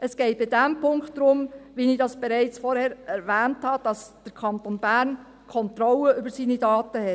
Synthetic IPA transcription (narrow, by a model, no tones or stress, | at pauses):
əsɡ̥ɛɪt̚b̥ɪd̥æmpʊŋktːɾʊmʋinid̥ɑsb̥eɾæɪt͡sfɔɾhɛːɾɛɾvæːnthɑd̥ɑsd̥əɾkʰɑntoːnbæːɾn | kʰɔnt̪ɾɔləʔʏbəɾsiːnidɑːtəhɛt